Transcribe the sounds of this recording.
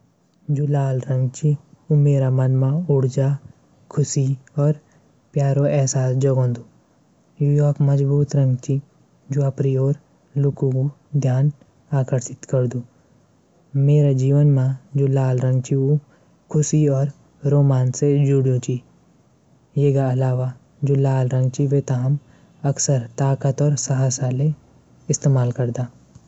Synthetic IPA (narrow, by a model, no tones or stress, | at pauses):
d͡ʒoːlaːlɾə̃ŋɡt͡ʃʰiumeːɾamənmãʊɽd͡ʒaː | kʰʊsiɔːɾ | pjaːɾoɛɦsaːsd͡ʒəɡɦõːnd̪uː | juːjoːkməzbuːt̪ɾə̃ŋɡt͡ʃʰi | d͡ʒoːəpɾioːɾ | lʊkũku | d̪ʱjaːn | aːkəɾʃɪt̪kəɾd̪uː | meːɾad͡ʒiːʋənmãd͡ʒoːlaːlɾə̃ŋɡt͡ʃiu | kʰʊsiɔːɾ | ɾoːmaːnsed͡ʒuɽjũt͡ʃi | jeːɡaɐlaːʋa | d͡ʒoːlaːlɾə̃ŋɡt͡ʃiʋet̪aɦɐm | ɐksəɾt̪aːkət̪ɔːɾsɐɦaːsale | ɪst̪eːmaːlkəɾd̪aː